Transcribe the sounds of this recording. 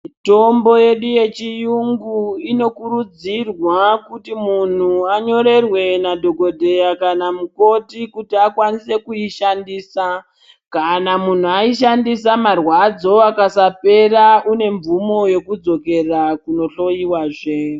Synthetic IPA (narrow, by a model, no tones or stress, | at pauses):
to̞mbo̞je̞ɗuje̞t͡ʃijuŋɡuino̞kuɾud͡zirwakutimun̤uaɲo̞ɾe̞rwe̞nadʱo̞ɡo̞dʱe̞jakanamuko̞tikutiakwanise̞kuiʃandiːsa | kanamun̤uaiʃandisamarwad͡zo̞akasape̞raʔune̞ɱvumo̞jo̞kud͡zo̞ke̞rakuno̞ɬo̞jiwaːʐe